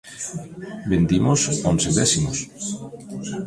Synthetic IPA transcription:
bend̪imosonseðɛsimos

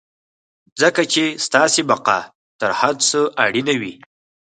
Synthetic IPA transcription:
zəkat͡ʃest̪ɑsebaqɑ̰ | t̪əɾhad̪səʔaɽinawi

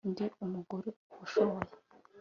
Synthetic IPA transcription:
ndiumuɡuɾeuʃoβoɾa

